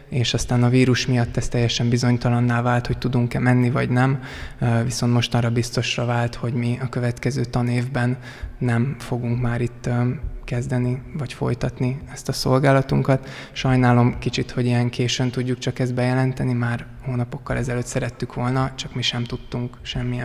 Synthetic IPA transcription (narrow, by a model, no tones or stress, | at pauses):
eːʃɒst̪aːnɒviːɾuʃmijɒt̪ːɛst̪ɛjːɛʃɛmbizo̞ɲt̪ɒlɒnːaːvaːlt̪ho̞c̚t̪ud̪uŋkɛmɛnːivɒɟnɛmviso̞nt̪mo̞ʃt̪ɒːrɒbist̪o̞ʃrɒvaːlt̪ho̞ɟmiɒkøvɛt̪kɛzøːt̪ɒneːvbɛnː | ɛmfo̞ɡuŋkmaːɾit̪ːkɛzd̪ɛnivɒcfo̞̰jt̪ɒt̪niɛst̪ɒso̞lɡaːlɒt̪uŋkɒt̪ | ʃɒjnaːlo̞mkit͡ʃit̪ho̞ɟijɛŋkeːʃønt̪uɟːukt͡ʃɒkɛzd̪̚bɛjɛlɛnt̪ɛnimaːr | hoːnɒpo̞kːɒlʔɛzɛløːt̪ːsɛɾɛt̪ːykʋo̞lnɒt͡ʃɒkmiʃɛmt̪ut̪ːuŋkʃɛmːiɛ